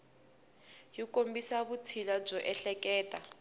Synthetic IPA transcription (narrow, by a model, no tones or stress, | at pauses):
jikombisaβut͡sʰilab͡ʐɔʔɛɬɛkɛːtʼa